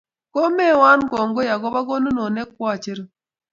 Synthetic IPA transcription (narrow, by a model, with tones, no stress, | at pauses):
ko˦me˦˨wa˦nɡɔ˨ŋɡo˦ja˨ɡɔ˦ba˦ɡɔ˦no˦no˨nɛ˦k̚wa˦˨t͡ʃe˦ɾ